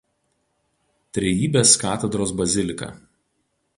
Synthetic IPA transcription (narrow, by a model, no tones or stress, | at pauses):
t̪ʲɾʲɛjiːbʲeːskɑːt̪ʲɛd̪ɾoːsbɐzʲɪlʲɪkɐ̰ː